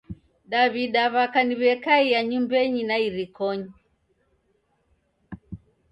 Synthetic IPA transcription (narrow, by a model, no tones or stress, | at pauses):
ɗaβiɗaβakaniβɛkaijaɲumbɛɲinaiɾikɔɲi